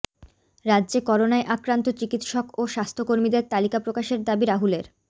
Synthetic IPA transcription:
ɾadːd͡ʑekɔɾonaeʔakɾant̪ot͡ɕikit̪ʃɔkoʃast̪ʰokoɾmid̪eɾt̪alikapɾokaʃeɾd̪abiɾaɦuleɾ

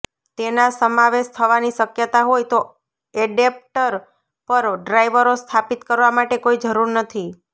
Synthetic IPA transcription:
t̪enasəmaʋeʃt̪ʰəʋaniʃəkjət̪aɦojt̪o | eɖep̚ʈəɾ | pəɾɖɾajʋəɾost̪ʰapit̪kəɾʋamaʈekoid͡ʒəɾuɾnət̪ʰi

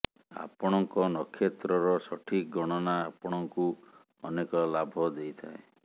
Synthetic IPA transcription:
a̰pɔɽ̃ɔŋkɔnɔkʰːjet̪ɾɔɾɔsɔʈʰik̚ɡɔɽ̃ɔnaːpɔɽ̃ɔŋku | ɔnekɔlabʱɔd̪ejt̪ʰae

